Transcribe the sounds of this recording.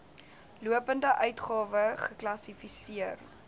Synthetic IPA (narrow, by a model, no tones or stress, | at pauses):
luəpəndəʔœɥtχɑːvəχəklɐsifisiər